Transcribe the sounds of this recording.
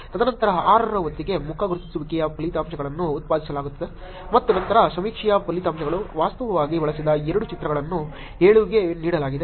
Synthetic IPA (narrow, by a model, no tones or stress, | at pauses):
t̪ɐd̪ʱɐnɐnt̪ɐɾɐaːɾɐɾɐʋɐt̪ːiɡe̞mukʰɐɡuɾt̪isuʋikɛjɐpɐlit̪aːmʃɐɡɐɭɐnːuːt̪̚paːd̪isɐlaːɡut̪ːɐd̪e | mɐt̪ːunɐnt̪ɐɾɐsɐmiːkʂijɐpɐlit̪aːmʃɐɡɐɭuʋaːst̪ɐʋɐʋaːɡiʋɐɭɐsid̪ɐɛɾɐɽut͡ʃit̪ɾɐɡɐɭɐnːu | eːɭuʋiɡe̞niːɽɐlaːɡid̪e